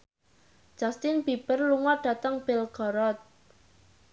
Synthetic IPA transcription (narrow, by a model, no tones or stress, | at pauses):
d̥ʒ̥a̤st̪ɪnb̥ib̥ərluŋɔɖ̥a̤t̪əŋb̥ɪlɡ̥ɔ̤ɾɔt̪̚